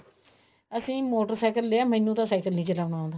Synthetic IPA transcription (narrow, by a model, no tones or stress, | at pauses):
əsĩːmoːʈəɾsaːkəlːeːaːməiːnũːt̪ãːsaːkəlnĩːt͡ʃəlaːʊnaːõːnd̪a